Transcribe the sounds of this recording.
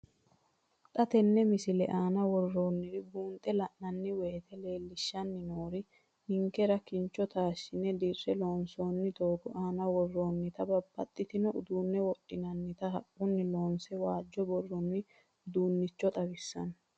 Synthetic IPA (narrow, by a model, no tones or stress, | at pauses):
t̪ʼɐt̪ɛnːɛmɪsɪlɛʔaːnɐwɔrːo̞ːnːɪɾɪbuːnt̪ʼɛlɐʔnɐnːɪweːt̪ɛle̞ːlːɪʃːɐnːɪnoːɾɪ | hɪŋkɛɾɐkɪnt͡ʃːɔt̪aːʃɪnɛd̪irːɛlo̞ːnsoːnːɪt̪oːɡʊʔaːnɐwɔrːo̞ːnːɪt̪ɐbɐbːɐt̪ʼːɪt̪ɪnɔʔʊd̪uːnːɛwɔɗːɪnɐnːɪt̪ɐɦɐʔʼʊnːɪlo̞ːnsɛwaːd͡ʒːɔbɔrːɔnːɪ | ʊd̪uːnːɪt͡ʃːɔt̪ʼɐbɪsːɐ̰n